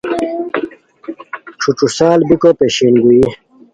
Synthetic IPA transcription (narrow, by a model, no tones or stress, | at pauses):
ʈ͡ʂʰuʈ͡ʂusaːlbikopeɕinɡui